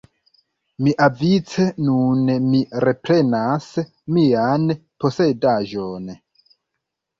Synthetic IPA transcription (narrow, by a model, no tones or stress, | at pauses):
miʔavit͡senunmiɾe̞pɾe̞nas | mianpo̞se̞daʒon